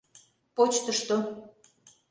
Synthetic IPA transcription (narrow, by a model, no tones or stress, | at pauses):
pot͡ɕt̪əʃt̪o